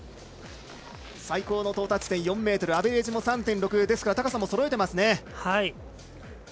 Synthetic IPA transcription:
saiko̞ːno̞t̪o̞ːt̪at͡ɕi̥t̪ẽɰ̃jõ̞mːe̞ːt̪o̞ɾɯ̟abe̞ɾe̞ːʑimo̞sãnt̪ẽ̞nɾo̞kɯ̟d̪e̞sɨ̥kaɾat̪akasãmːo̞so̞ɾo̞e̞t̪e̞masɨne̞hai

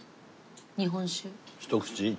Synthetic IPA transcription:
nʲiɦõnɕiɕt̪okt͡ɕi

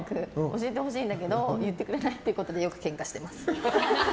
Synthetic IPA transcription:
kɯ̟oɕie̞t̪̬e̞ho̞ɕĩːnd̪ak̬e̞d̪ojɯt̪ːe̞kɯ̟ɾe̞nait̪ːeiɯ̟ko̞t̪od̪e̞jo̞kɯ̟̥kẽ̞ŋkaɕi̥t̪e̞masɨ̥

